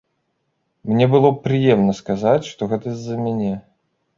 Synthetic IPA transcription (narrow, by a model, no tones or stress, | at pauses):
mnʲɛbɨlˠɔpɾɨjɛmnɐskazat͡sʲʂt̪ɔɣɛt̪əzʲːɐmʲanʲɛ